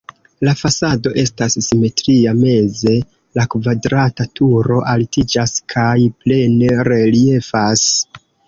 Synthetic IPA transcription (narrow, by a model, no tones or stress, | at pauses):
lafasado̞ʔe̞stasːime̞tɾiame̞ze̞ | lakvadɾatatuɾo̞ʔaltid͡ʒaskʰajple̞neɾe̞lie̞fas